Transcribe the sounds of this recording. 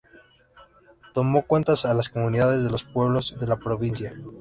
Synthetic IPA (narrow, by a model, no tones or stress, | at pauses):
t̪o̞mo̞kwe̞nt̪asalasko̞mũniðaðe̞zðe̞lospwe̞βlo̞zðe̞lapɾo̞βinsja